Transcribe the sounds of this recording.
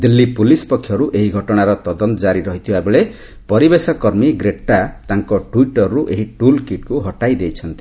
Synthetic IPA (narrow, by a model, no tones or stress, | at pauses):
d̪ilːipulispɔkʰːjɔɾuʔeɦiɡʱɔʈɔɽ̃aɾɔt̪ɔd̪ɔnt̪ɔd͡ʒaɾiɾɔɦit̪ʰibabeɭe | pɔɾibesɔkɔɾmiɡɾeʈat̪aŋkɔʈuiʈɔɾːuʔeɦiʈulkiʈ̚kuɦɔʈajd̪ejt͡ʃʰʌnt̪i